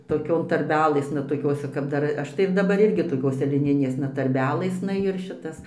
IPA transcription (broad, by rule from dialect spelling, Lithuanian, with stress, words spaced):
toːˈkʲoːn tɐrʲˈbʲæːlˠɘsnɐ toːˈkʲoːsʲɛ kɐp ˈdɐr ˈɐʃ tɐɪ ɪr dɐˈbɐr ˈɪrʲɡʲɪ toːˈkʲoːsʲɛ lʲɪˈnʲɪnʲeːsnɐ tɐrʲˈbʲæːlˠɘsnɐ ɪr ˈʃʲɪtɐs